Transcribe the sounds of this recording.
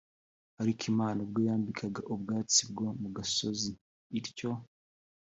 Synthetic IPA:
haɾikʰimaːnobɡoːjaːmbikʰaɡaʔoβɡaːt͡sibɡo̞muɡasoziː | ɾco̞

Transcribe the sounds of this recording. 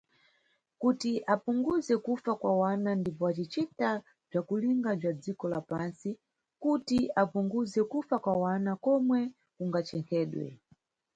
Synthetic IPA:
kutiʔapuŋɡuzɛkufakwawanandipɔat͡ʃit͡ʃita | b͡ʐakuliŋɡab͡ʐad͡zikɔlapansi | kutiapuŋɡuzɛkufakwawanakɔmwɛ | kuŋɡat͡ʃɛŋkʰɛːɗwɛ̰

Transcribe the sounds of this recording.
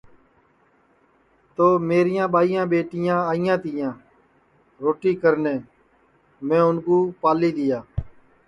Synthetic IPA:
t̪oːmeːɾɪjãːɓaːijãːɓeːʈɪjãːaːɪjãːt̪ɪjãː | ɾoːʈiːkəɾnẽː | mɛ̃ːʊnkuːpaːliːɗ̪ɪjaː

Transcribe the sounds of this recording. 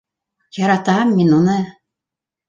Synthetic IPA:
jɑɾɑt̪ɑmːinunɤ

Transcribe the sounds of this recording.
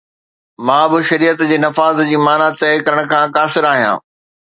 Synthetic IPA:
mãːbɪʃɐɾiːət̪d͡ʑeːnɐfaːzd͡ʑiːmaːnat̪ɛɪkɐɾəɽ̃̆kʰãːkaːsɪɾaːɦijã̰ː

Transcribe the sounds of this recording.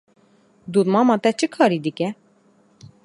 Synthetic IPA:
d̪ut̪mɑmɑt̪ɛt͡ʃʰɨkʰɑːɾid̪ɨkʲɛ

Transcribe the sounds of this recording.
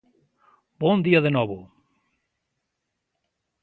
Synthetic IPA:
bɔnd̪iɐðenɔβʊ

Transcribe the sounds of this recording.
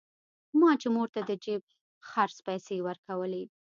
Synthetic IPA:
mɑt͡ʃemoɾt̪ad̪əd͡ʒeb̚ | xaɾspajsewəɾkawəle

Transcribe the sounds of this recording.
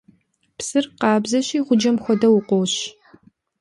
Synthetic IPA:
psɨrqɑːbzɐɕiːʁʷʊd͡ʒɐmxʷɔdɐwʊqʷɔwɕ

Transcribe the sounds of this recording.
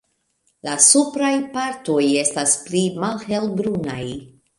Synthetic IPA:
lasupɾajpaɾto̞je̞stasplimalhe̞lbɾuna̰j

